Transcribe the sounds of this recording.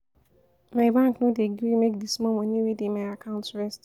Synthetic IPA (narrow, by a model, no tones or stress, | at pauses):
maɪbãŋknõdeɡɾimek̚dismɔ̃mɔ̃nĩwedemaɪakʰãʊ̃ntɹɛst